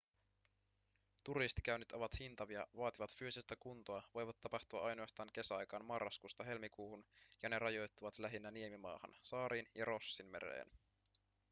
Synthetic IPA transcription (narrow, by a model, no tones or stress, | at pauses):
t̪uɾist̪i̥kæɥnːyt̪o̞ʋɑt̪hint̪ɑʋiɑʋɑːt̪iʋɑt̪fyøsest̪ækunt̪o̞ɑʋo̞jʋɑt̪ːɑpɑxt̪uɑ̰ʔɑjno̞ɑst̪ɑːŋk̟e̞sæɑjkɑːnmɑrːɑskust̪ɑɦe̞lmikuːhunjɑne̞ɾɑjo̞jt̪ːuʋɑt̪læɦinːæniemimɑ̰ːhɑ̰nsɑːɾiːnjɑɾo̞sːinme̞̰ɾḛːn